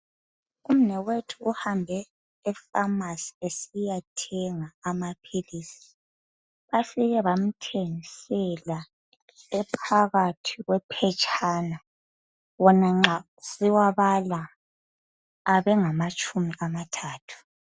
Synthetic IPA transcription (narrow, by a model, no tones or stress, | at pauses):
um̩nɛwetʰuʔuhambʱɛː | famasi̥esijatʰɛŋaːmapʰiliːsi̥ | βafiɣɛβam̩tʰeŋisɛla | ɛpʰaɣatʰiɣwɛpʰɛt͡ʃʼʰana | wɔnaŋ͡ǁa | siwaβala | βɛŋamat͡ʃʼumiɣamatʰaːtʰu̥